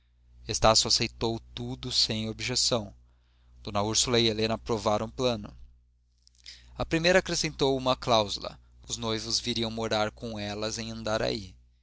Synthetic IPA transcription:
est̪asjʊasejt̪owt̪ud̪ʊsẽj̃obiʒesɐ̃w̃ | d̪̥õnɐuɾsulɐielẽnɐpɾovaɾɐ̃plɐ̃nʊ | ɐpɾimejɾɐaːkɾesẽnt̪owumɐklawzulɐ̰ | ʊznojvʊzviɾiɐ̃w̃moɾaɾkõɛlɐzẽj̃ɐ̃nd̪aɾa̰i

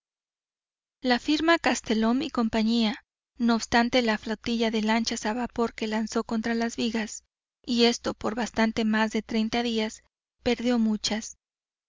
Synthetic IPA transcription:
lafiɾmakast̪e̞lo̞miko̞mpaɲia | no̞ːβst̪ant̪e̞laflawt̪iʝaðe̞lant͡ʃasaβapo̞ɾke̞lanso̞ko̞nt̪ɾalazβiɣas | ie̞st̪o̞po̞ɾβast̪ant̪e̞mazðe̞t̪ɾe̞jnt̪aðias | pe̞ɾðjo̞mut͡ʃas

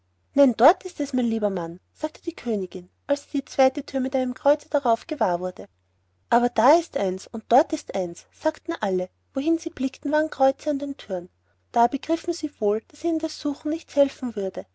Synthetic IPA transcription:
naɪndɔɐtɪstɛsmɛɪnliːbɐmanz̥aːk̚tʰə̥d̥iːkʰøːnɪɡ̥ɪn | ʔalsd̥iːt͡sv̥aɪtətʰyːɐmɪtæɪnəmkʁ̥ɔʏt͡səd̥aʁɑʊfɡ̥əvaːɐvʊɐdə | ʔaːbɐd̥aɪstʔaɪnsʊnt̚d̥ɔɐtɪstʔaɪnsːaːktn̩ʔalə | voɦɪnz̥iːb̥lɪktn̩vaːʁnkʁ̥ɔʏt͡səandeːntʰyɐn | d̥aːbəɡʁɪfn̩ziːvoːld̥asiːnəndasz̥uːxn̩nɪçt͡shɛlfn̩vʏɐdə

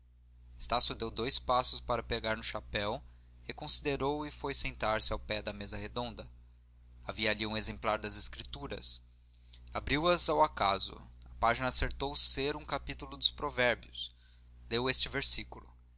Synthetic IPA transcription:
est̪asjʊd̪ewd̪ojspasʊspaɾɐpeɡaɾnʊʃapɛw | hekõsid̪eɾowɪfojsẽnt̪aɾsɪawpɛd̪ɐmezɐhed̪õnd̪ɐ | aviɐːliũezẽmplaɾd̪ɐzeskɾit̪uɾɐ̰s | abɾiwɐzawakazʊ̰ɐpaʒinɐːseɾt̪owseɾũkapit̪ulʊd̪ʊspɾovɛɾbjʊs | lewest͡ʃɪveɾsikulʊ

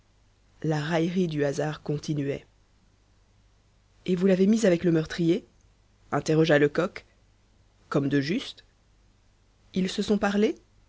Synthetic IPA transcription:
laʁajʁid̪yazaʁkɔ̃t̪inɥɛ̰ | evulavemizavɛkləmœʁt̪χije | ɛ̃t̪eʁɔʒaləkɔkː | ɔmd̪əʒyst̪ | ilsəsɔ̃paʁle

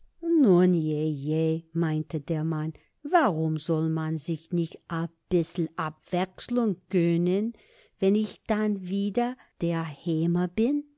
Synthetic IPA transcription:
nunjejeːmaɪntʰədeːɐman | vaʁʊmzɔlmanzɪçnɪçtʔab̥ɪsl̩ʔapv̥ɛksləŋɡ̥œnən | vɛnɪçd̥anviːdɐ | d̥eːɐheːmɐbɪn

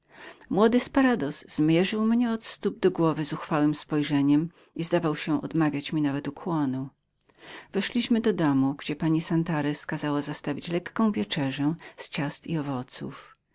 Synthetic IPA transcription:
mwɔd̪ɘspaɾad̪ɔz̥ːmʲjɛʐɘwmɲɛɔt̪st̪ub̚d̪ɔɡwɔvɘzuxfawɘmspɔjʐɛɲɛm | izd̪avawɕɛʔɔ̰d̪mavʲjat͡ɕmʲinavɛt̪ukwɔnu | vɛʂlʲiɕmɘd̪ɔd̪ɔmuɡd͡ʑɛpaɲisant̪aɾɛskazawazast̪avʲit͡ɕlɛkːɔ̃w̃vʲjɛt͡ʂɛʐɛst͡ɕast̪iɔvɔt̪sṵf

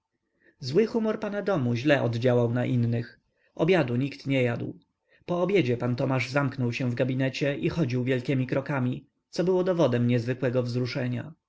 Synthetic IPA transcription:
zwɘxumɔɾpanad̪ɔmuʑlɛʔɔd̪d͡ʑawawnaʔinːɘx | ʔɔbʲjad̪uɲikt̪ɲɛjad̪w | pɔːbʲjed͡ʑɛpant̪ɔmaʐzamknɔwɕɛ̃vɡabʲinɛt͡ɕɛʔixɔd͡ʑiwvʲjɛlkʲɛmʲikɾɔkamʲi | t̪sɔbɘwɔd̪ɔvɔd̪ɛmɲɛzvɘkwɛɡɔvzɾuʂɛɲa̰

